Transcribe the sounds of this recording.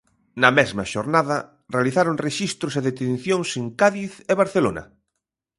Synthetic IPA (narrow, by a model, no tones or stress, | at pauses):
nɐmɛzmɐʃoɾnaðɐ | realiθaɾoŋreʃist̪ɾʊseðet̪ẽn̟θjoŋseŋkaðiθeβaɾθelonɐ̰